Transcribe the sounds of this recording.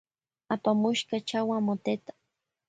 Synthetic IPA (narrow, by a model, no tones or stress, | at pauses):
apamuʃkat͡ʃawamot̪et̪ḁ